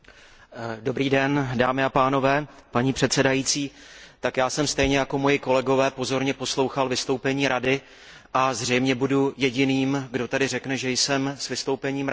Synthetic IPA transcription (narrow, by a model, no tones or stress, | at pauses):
do̞bɾiːdɛndaːmɪapaːno̞vɛːpaɲiːpr̝̥ɛt̪sɛdajit͡siːt̪akjaːsɛmst̪ɛjɲɛjako̞mo̞jɪko̞lɛɡo̞vɛːpo̞zo̞ɾɲɛpo̞slo̞wxalvɪst̪o̞wpɛɲiːɾadɪ | ʔazr̝ɛjmɲɛbudujɛɟɪniːmɡdo̞t̪adɪrɛknɛʒɛjsɛmsvɪst̪o̞wpɛɲiːmɾ